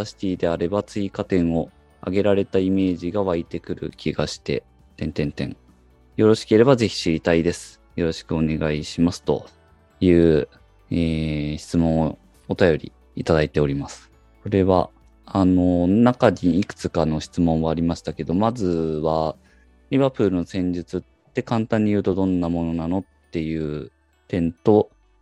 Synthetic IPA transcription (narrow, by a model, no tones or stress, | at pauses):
aɕi̥t̪ʲiːd̪e̞aɾe̞bat͡sɨikat̪ẽ̞ɰ̃o̞ | a̰ɡe̞ɾaɾe̞t̪aime̞ːʑiɡaβait̪e̞kɯ̟ɾɯ̟̰kʲʰiɡaɕi̥t̪e̞̰ | t̪ẽ̞nt̪ẽ̞nt̪ẽ̞̰ŋ | jo̞ɾo̞ɕi̥ke̞ɾe̞baze̞çi̥ɕiɾʲit̪aid̪e̞sɨ̥ | jo̞ɾo̞ɕi̥kɯ̟o̞ne̞ɡaiɕimasɨ̥t̪o̞̰ | jɯ̟ː | eːçi̥t͡sɨmõ̞ɰ̃o | ot̪ajo̞ɾʲḭ | it̪ad̪ait̪e̞o̞ɾʲimasɨ̥ | so̞ɾe̞βa̰ | ano̞nakaɲiːkɯ̟̥t͡sɨ̥kano̞ɕi̥t͡sɨmõ̞ɰ̃βaːɾʲimaɕi̥t̪ake̞d̪o̞mazɨβa | ɾʲiβaːpɯ̟ːɾɯ̟no̞sẽ̞ɲ̟d͡ʑit͡sɨt̪ːe̞kãnt̪ãɲ̟ːijɯ̟ːt̪o̞d̪õ̞nːamo̞no̞nano̞t̪ːe̞jɯ̟ː | t̪ẽ̞nt̪o̞